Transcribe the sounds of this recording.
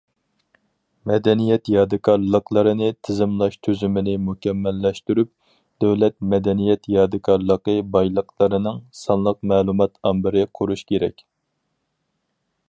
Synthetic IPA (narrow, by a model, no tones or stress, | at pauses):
mɛd̪ɛnijɛt̪jɑd̪ɨkʰɑɾlˠəqʰlˠəɾɨnɨt̪ʰɪzɪmlˠɑʃt̪ʰøzymɪnɪmukʲɛmːɛlːɛʃt̪yɾyp̚ | d̪̥ɛwlɛt̪̚mɛd̪ɛnijɛt̪jɑːd̪ɨkʰɑɾlˠəqəbɑjlˠəqlˠəɾɨnɨŋsɑnlˠəqmɛːlˠumɑt̪ɑmbɪɾɪqʰʊɾuʃkʲʰeɾɛ̰kʲ